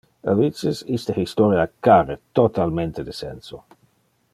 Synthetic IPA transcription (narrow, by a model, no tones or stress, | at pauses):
avisisist̪ahist̪ɔɾjakaret̪ot̪almẽnt̪ed̪esɛ̰nso